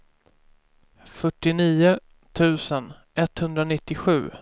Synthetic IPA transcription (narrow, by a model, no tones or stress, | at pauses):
fœʈːɪniːʊ | t̪ʰʉ̟ːsən | ɛt̪hɵnd̪ɾanɪt̪ːɪɧʉ̟ː